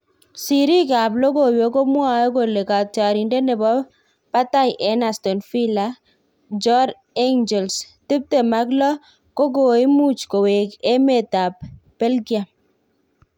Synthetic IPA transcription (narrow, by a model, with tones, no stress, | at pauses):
si˨ɾi˦ka˨blo˦ɡo˦˨wjo˨˦ko˦mwa˦˨o˦ɡo˨le˨ka˨ta˨ɾi˨nde˦nɛ˨bɔ˦ | pa˦ta˦jʔɛ˨˦na˨stɔ˨nfi˦la˨ | d͡ʒɔ˦ɾ | e˦ŋd͡ʒɛ˨ls | tɪ˦p̚te˨ma˦klɔ˦ | ko˦ɡo˨i˦mu˦t͡ʃko˨we˨ke˦me˦˨ta˨p̚be˦lɡja˨